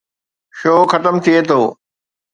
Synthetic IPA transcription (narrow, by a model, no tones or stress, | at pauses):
ʃoːxɐt̪əmt̪ʰiet̪ʰoː